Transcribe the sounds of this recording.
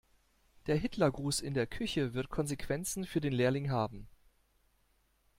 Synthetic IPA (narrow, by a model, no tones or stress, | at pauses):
d̥eːɐɦɪtlɐɡʁuːsɪndeːɐkʰʏçəvɪɐt̚kʰɔnzekv̥ɛnt͡sn̩fyːɐdeːnleːɐlɪŋɦaːbm̩